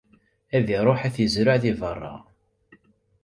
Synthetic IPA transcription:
æðiɾˤoħæθjəzɾʊʕθivərˤːɑ̰

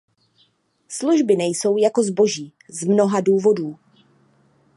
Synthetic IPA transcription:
sluʒbɪnɛjso̞wjako̞zbo̞ʒiː | zmno̞ɦaduːvo̞duː

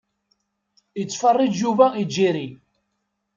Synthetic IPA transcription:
it͡sːfɑrˤːid͡ʒjuvæid͡ʒːiɾi

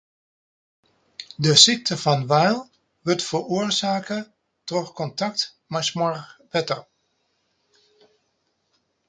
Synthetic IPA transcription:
dəsik̚tʰəfɔnʋɛjlˠ | ʋɵtfəruːərzaːkə | trɔxkɔntɑk̚t | majsmɔrpɛtər

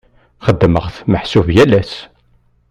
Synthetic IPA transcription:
χəd̪ːməʁθməħsuvjælæs

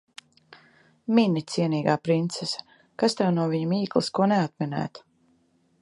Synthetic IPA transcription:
minit̪siɛniːɡaːpɾint̪sesḁ | kast̪ɛwnuɔviɲumiːklˠḭskuɔneat̪̚minæ̰ːt̪

